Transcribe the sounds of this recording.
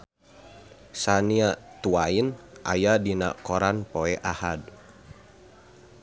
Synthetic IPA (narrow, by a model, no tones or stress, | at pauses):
saniat̪uainʔa̰jadina̰kɔɾanpoɛʔahad̚